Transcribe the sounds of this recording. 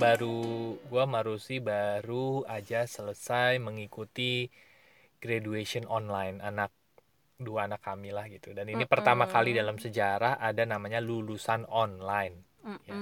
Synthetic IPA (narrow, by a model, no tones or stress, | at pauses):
baɾuɡuamaɾusibaɾuad͡ʒasələsajməŋikut̪i | ɡ̥ɾadueʃiɔnɔnlajnanak̚ | duaːnakːamilahɡit̪udaninipərt̪amakalidalamsəd͡ʒaɾahadanamaɲalulusanɔnlajn | ja